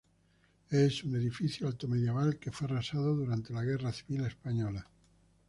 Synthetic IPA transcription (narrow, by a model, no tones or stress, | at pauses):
esune̞ðifiθjoalt̪omeðjeβalke̞ferasað̞oðuɾant̪elaɣ̞eraθiβilespaɲola